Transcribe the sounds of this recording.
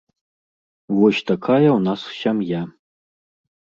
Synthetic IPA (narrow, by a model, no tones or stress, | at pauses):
wɔʃtʰakʰajawnasʃamja